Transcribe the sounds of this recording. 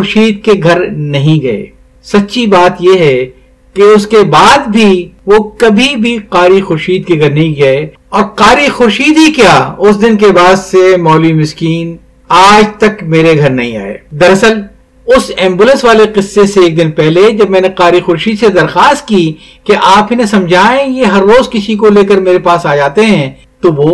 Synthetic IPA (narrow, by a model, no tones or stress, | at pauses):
ʊɾʃiːd̪̚keɡʱɐɾnɐɦĩɡɐḛː | sɐtːʃʰibaːt̪jeɦɛ | keʊskebaːd̪bʱiʋokɐbʱibʱiqaːɾixʊɾʃiːd̪̚keɡʱɐɾnɐɦĩɡɐe | ɔːɾqaːɾixʊɾʃiːd̪ɦikjaːʊsd̪ɪnk̬ebaːd̪semɔːlimɪskiːn | aːd͡ʒt̪ɐkmeːɾeɡʱɐɾnɐ̰ɦĩa̰ːḛːd̪ɐɾɐsəl | ʊsɛ̃ːmbuːlə̃nsʋaːleqɪsːeseːk̚d̪ɪnpɛɦled͡ʒɐbmɛ̃ːneqaːɾixʊɾʃiːd̪sed̪ɐɾxaːst̪̚ki | keʔaːpɪnẽsɐ̃md͡ʒʱaːẽjeɦɐɾːoːzkɪsikoleːkəɾmeːɾepaːsaːd͡ʒaːt̪eɦɛ̃ | t̪oʋoː